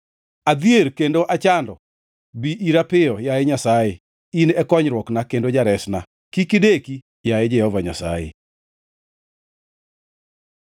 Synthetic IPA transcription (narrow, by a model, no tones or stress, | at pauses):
ad̪ieɾkendoʔat͡ʃandɔ | biʔiɾapɪɔjaeɲasaje | inɛkɔɲɾwɔknakendod͡ʒaɾɛsna | kikɪdeki | jaed͡ʒɛhɔvaɲa̰sa̰jḛ